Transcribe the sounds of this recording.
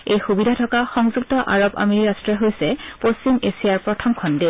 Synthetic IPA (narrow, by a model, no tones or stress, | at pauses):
ejxubidʱatʰɔkaxɔŋzuk̚tɔʔa̰ɹoba̰meiɹastɹɛɦojsɛpost͡ɕimesiaɹpɹɔtʰɔmkʰɔnde